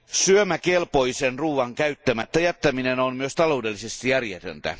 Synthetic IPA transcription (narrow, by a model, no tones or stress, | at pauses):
syømækelpo̞jsenruːʋɑŋkæyt̪ːæmæt̪ːæjæt̪ːæminenonmyøst̪ɑlo̞wde̞lːisest̪ijærjet̪ø̰nt̪æ̰